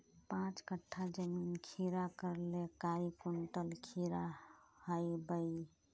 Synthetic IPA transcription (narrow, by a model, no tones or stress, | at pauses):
pãt͡ʃkəʈʰːad͡ʒəminkʰiɾakəɾlekaikuɳʈəlkʰiɾahəjbəj